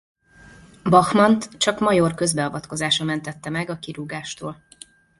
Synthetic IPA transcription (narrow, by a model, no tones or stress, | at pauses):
bɒxmɒnt̪t͡ʃɒkmɒjo̞rkø̞zbɛɒvɒt̪ko̞zaːʃɒmɛnt̪ɛt̪ːɛmɛɡɒkiɾuɡaːʃt̪oːl